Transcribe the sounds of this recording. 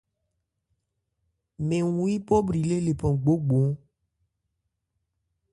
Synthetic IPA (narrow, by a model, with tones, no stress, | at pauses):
mẽ˨ŋũ˨i˦pɔ˦bɾi˨le˦le˨pɔ̃˨ɡ͡bo˦ɡ͡bo˨˦